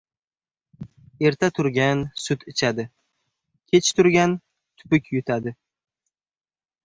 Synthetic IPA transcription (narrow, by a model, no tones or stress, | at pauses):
e̞ɾt̪ʰat̪ʰʊɾɡʲansʊt̪ɪt͡ʃʰad̪ɪ | kʲʰe̞t͡ʃt̪ʰʊɾɡʲan | t̪ʰʊ̥pɪkʲjʊt̪ʰad̪ɪ